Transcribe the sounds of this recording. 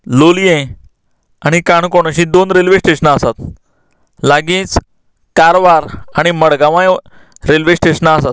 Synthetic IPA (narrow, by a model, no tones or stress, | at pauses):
lolijẽ | aɽ̃ikaɳkoɽ̃aɕĩːd̪onɾelʋesʈeɕənaəsat̪ | laɡĩːt͡s | kaɾʋaɾaɽ̃iməɽɡaʋãj | ɾelʋesʈeɕənasat̪̚